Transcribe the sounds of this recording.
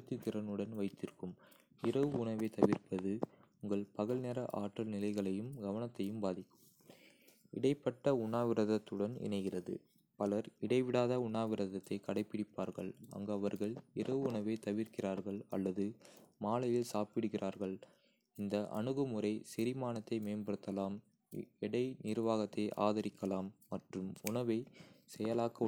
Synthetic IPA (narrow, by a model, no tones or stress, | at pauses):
t̪ːit̪ːɪɾɐnɯɽɐnʋɐɪt̪ːɪɾkːɯm | ɪrɐʋɯʊɳɐʋeːt̪ɐʋɪrpɐðɯʊŋɡɐɭpɐɣɐɭneːɾɐʔaːʈːɐlnɪlɐɪɣɐɭɐjɯmɡɐʋɐnɐt̪ːɐjɯmbaːðɪkːɯ̥m | ɪ̰ɽɐɪpːɐʈːɐʊɳːaːʋɪɾɐðɐt̪ːɯɽɐnɪ̰nɐɪɣɪrɐðɯ̰ | pɐlɐɾɪɽɐɪʋɪɽaːðɐʊɳːaːʋɪɾɐðɐt̪ːɐɪkɐɽɐɪpːɪɽɪpːaːɾɣɐ̰ɭɐ̰ŋɡɐɐʋɐɾɣɐɭɪrɐʋɯʊɳɐʋeɪt̪ɐʋɪɾkɪraːɾɣɐɭɐ̰lːɐðɯmaːlɐjɪlsaːpɪɽɯɣɪrʔaːɾɣɐɭ | ɪnd̪ɐʔɐ̰ɳɯɣɯmʊɾɐɪsɪɾɪmaːnɐt̪ːɐɪmeːnbɐɽɯt̪ːɐlaːm | ɛɽɐɪnɪɾʋaːɣɐt̪ːeɪʔaːðɐɾɪkʰːɐlaːmːɐʈrɯmʊɳɐʋɐɪsɛjɐlaːkːɐ